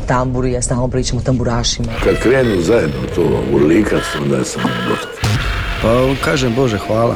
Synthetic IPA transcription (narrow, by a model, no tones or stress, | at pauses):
t̪ambuɾujast̪aːlnopɾiːt͡ʃamot̪ambuɾaːʃimakad̪kɾeːnuːzajed̪nout̪oːṵɾliːkasuond̪a̰jesamobat̪i̥pakaːʒembo̞ʒexʋaːlˠa̰